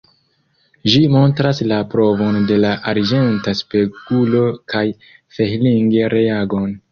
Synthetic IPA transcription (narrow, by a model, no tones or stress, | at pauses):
ʒimo̞ntɾaslapɾo̞vo̞nde̞laʔaɾd͡ʒe̞ntaspe̞kulo̞kaj | fehliŋɡeɾʔe̞aɡo̞n